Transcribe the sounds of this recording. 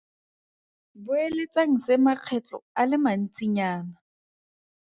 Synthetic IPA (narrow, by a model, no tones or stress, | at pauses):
bʊelet͡sʼaŋ̩sɪmaq͡χʰɛt͡ɬʼɔ̰alɪman̩t͡sʼiɲaːna